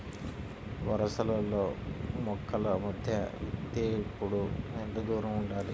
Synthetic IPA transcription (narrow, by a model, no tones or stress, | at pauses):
ʋɐɾɐsɐlɐlːoːmɔkːɐlɐmɐd̪ʱjɐ̰t̪eːpːuɽuend̪ɐd̪uːɾɐmuɳɖaːli